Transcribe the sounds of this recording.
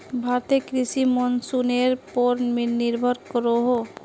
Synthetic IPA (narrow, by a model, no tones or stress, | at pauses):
bʱaɾt̪ekɾisimɔnsuneɾpoɾnmeniɾbʱəɾkəɾoɦo